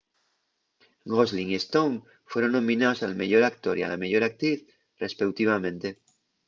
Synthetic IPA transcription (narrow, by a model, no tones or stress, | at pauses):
ɡozliŋest̪oŋ | fwe̞ɾõ̞nnõ̞mĩnaosalme̞ʎo̞ɾak̚t̪oɾia̰lameʝo̞ɾak̚t̪ɾiθ | re̞spekwt̪iβ̞amẽ̞nt̪e